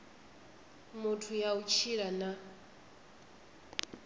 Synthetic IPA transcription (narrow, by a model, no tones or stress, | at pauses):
mutʰujaut͡ʃʰiɺana